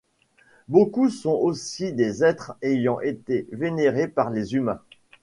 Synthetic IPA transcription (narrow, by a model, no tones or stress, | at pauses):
bokusɔ̃ʔosid̪ezɛt̪χejɑ̃ʔet̪eveneʁepaʁlezymɛ̃